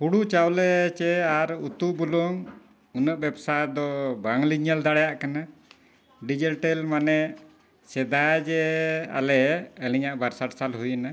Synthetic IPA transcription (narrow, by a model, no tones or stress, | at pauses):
huɽut͡ʃawlɛt͡ʃɛaɾut̪uʔ̚bulɔŋ | unəʔbɛbsajd̪ɔbaŋliɲəld̪aɽɛjaʔkana | ɖid͡ʒəlʈɛlmanɛʔ | sɛd̪ajd͡ʒɛa̰lɛəliɲaʔbaɾsaʈsalɦujna